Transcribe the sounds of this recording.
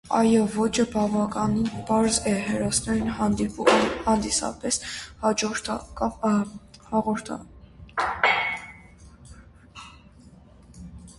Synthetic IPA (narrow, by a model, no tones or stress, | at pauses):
ɑ̰jɔvɔt͡ʃʰəbɑvɑkʼɑninpɑɾzɛɦɛɾɔsnɛɾinɦɑnd̪iuhɑnd̪isɑ̰pɛshɑd͡ʒɔɾt̪ʰk | hɑʁɔɾt̪ʰ